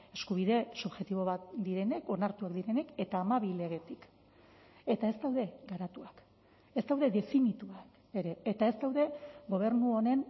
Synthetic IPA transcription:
e̞skuβ̞iðe̞suβʝe̞t̪iβ̞o̞βat̪̚d̪iɾe̞ne̞ko̞naɾt̪uakd̪iɾe̞ne̞ke̞t̪aːmaβile̞ɣ̞e̞t̪ik | e̞t̪ae̞zd̪awðe̞ɡaɾat̪uak | ezd̪awðe̞ðe̞finit̪uak | e̞ɾe̞ːt̪ae̞zd̪awðe̞ɡo̞β̞e̞ɾnuo̞ne̞n

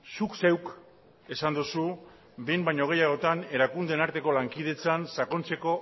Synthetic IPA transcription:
sukse̞wk | e̞sand̪usu | be̞jmbajɲo̞ɣ̞e̞jaɣo̞t̪ane̞ɾakund̪e̞naɾt̪e̞ko̞laŋkið̞e̞t͡sansako̞nt͡se̞ko̞

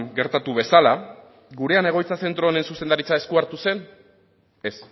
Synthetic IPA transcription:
ɡe̞ɾt̪at̪uβ̞e̞sala | ɡuɾe̞ane̞ɣ̞o̞jt͡sase̞nt̪ɾo̞ne̞nsuse̞nd̪aɾit͡sae̞skuaɾt̪use̞n | e̞s

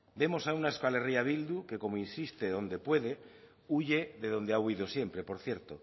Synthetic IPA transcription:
be̞mo̞saunaeskale̞riaβ̞ild̪ukeko̞moinsist̪eðo̞nd̪e̞pwe̞ðe̞ | uʝe̞ðeðo̞nd̪eauiðosje̞mpɾe̞po̞ɾθje̞ɾt̪o

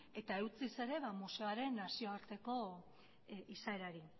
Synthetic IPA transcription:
e̞t̪ae̞wt͡sise̞ɾe̞βamuse̞aɾe̞nːasio̞aɾt̪e̞ko̞ | isaeɾaɾi

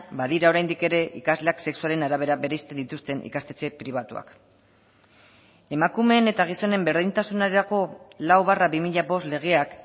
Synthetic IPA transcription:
baðiɾao̞ɾajnd̪ike̞ɾe̞ʔikazle̞akse̞ksuale̞naɾaβ̞e̞ɾaβe̞ɾeist̪end̪it̪ust̪e̞nḭkast̪e̞t͡se̞pɾiβ̞at̪ua̰k | e̞makume̞ːne̞t̪aɣ̞iso̞ne̞mbe̞ɾðint̪asunaɾeɾako̞lawβaraβimiʎaβo̞sle̞ɣ̞e̞ak

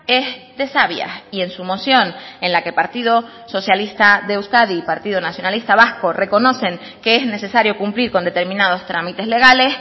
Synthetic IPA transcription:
ezðe̞saβja̰ie̞nsumo̞sjo̞nẽnlakepaɾt̪iðo̞ | so̞sjalist̪aðewskaðipaɾt̪iðonasjo̞nalist̪aβasko̞rʔe̞ko̞no̞se̞ŋ | keezne̞se̞saɾjo̞kumpliɾko̞nd̪e̞t̪e̞ɾmĩnað̞o̞st̪ɾamit̪e̞zle̞ɣales

